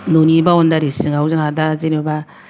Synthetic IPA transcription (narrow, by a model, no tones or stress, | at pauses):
nonibaɔndaɾisiŋauzaŋadazineba